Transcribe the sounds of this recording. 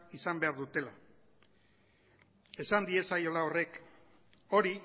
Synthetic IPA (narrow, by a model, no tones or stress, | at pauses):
isambe̞aɾðut̪e̞la | e̞sand̪ie̞sajo̞lao̞re̞k | o̞ɾi